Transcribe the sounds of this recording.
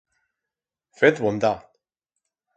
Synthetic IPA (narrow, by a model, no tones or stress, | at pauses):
fet̪βond̪a